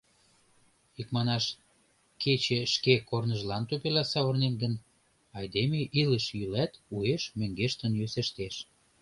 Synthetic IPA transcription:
ikmɑnɑʃ | kʰet͡ɕeʃkekornəʒlɑnt̪øpelɑsɑβərnenɡən | ɑjd̪emeʔiləʃjylæt̪ueʃmøŋɡeʃt̪ənjøsĕʃt̪eʃ

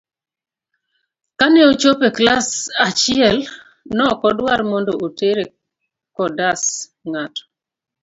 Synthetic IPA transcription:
kanɛot͡ʃopeklasat͡ʃɪɛl | nɔkɔdwaɾmɔndoʔoteɾe | kɔdas | ŋatɔ̥

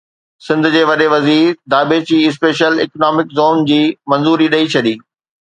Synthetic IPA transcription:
sɪ̃nd̪ʱʊ̆d͡ʑeːʋɐɗeʋɐziːɾd̪aːbet͡ɕiːɪs̬peːʃəlɪknaːmɪkzoːnd͡ʑiːmɐ̃nzuːɾiɗɐit͡ɕʰɐɗiː

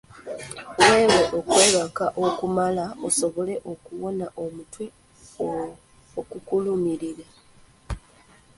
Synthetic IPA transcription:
we̞ːweʔo̞kwe̞ːβakaʔokumalaoso̞βo̞le̞ʔo̞kuwonaʔo̞mutwi | okukulumiɾiɾe

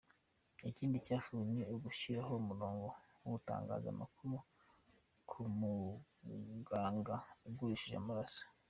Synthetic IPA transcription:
iciːndicaːfuɲeoɡuʃiɾaɦo̞umuɾo̞ːŋɡo̞ | uta̰ːŋɡa̰ːza̰makumo | kʰumu | ɡaːŋɡauɡuɾiʃiʒa̰maɾasḁ

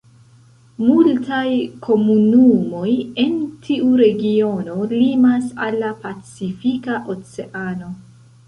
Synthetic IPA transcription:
multajkʰo̞munumo̞je̞ntʰiʔuɾe̞ɡio̞no̞limasalːapat͡sifikaʔo̞t͡se̞ʔano̞

